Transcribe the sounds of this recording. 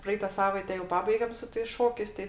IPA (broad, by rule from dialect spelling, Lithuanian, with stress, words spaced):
ˈprɐɛɪtɐ ˈsɑːʋɐɪtʲɛ jɛʊ ˈpɑːbɐɪɡʲɛm sʊ tɐɪs ˈʃoːkʲɛɪs ˈtɐɪ